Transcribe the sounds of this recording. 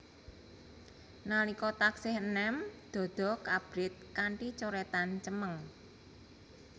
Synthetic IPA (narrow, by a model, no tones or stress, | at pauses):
nalikɔt̪aksɪhənɛmd̪̥ɔ̤d̪̥ɔ̤kab̥ɾɪt̪̚kaɳʈit͡ʃoɾɛt̪ant͡ʃəməŋ